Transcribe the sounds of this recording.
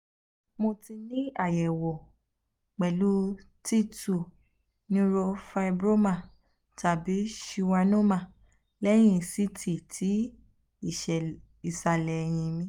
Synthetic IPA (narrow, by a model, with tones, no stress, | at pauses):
mo˧ti˧nĩ˦a˦˨jɛ˨wɔ˨ | k͡pɛ˨lu˨˦ | ti˦˨tu˦˨ | nĩ˦ɾo˧fa˧i˧bɾo˦mã˦˨ | ta˨bi˨˦ʃi˧wa˧nõ˦mã˧˨ | lɛ˦j̃ĩ˧˨si˦tʰi˦˨tʰi˨˦ | i˨ʃɛ˨ | i˨sa˨˧lɛ˨˧j̃ĩ˧mĩ˦